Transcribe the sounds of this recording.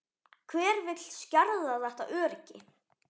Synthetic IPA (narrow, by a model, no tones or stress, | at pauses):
kʰvɛːɾvɪt̪l̥scaɾðaðɛht̪aʔœːɾcɪ